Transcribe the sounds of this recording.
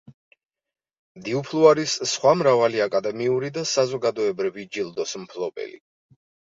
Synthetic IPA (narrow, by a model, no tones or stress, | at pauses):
md̪iupʰlˠuaɾisːχwamɾavaliakʼad̪ɛmiuɾid̪asazɔɡad̪ɔɛbɾivid͡ʒilˠd̪ɔsmpʰlˠɔbʼɛ̰lḭ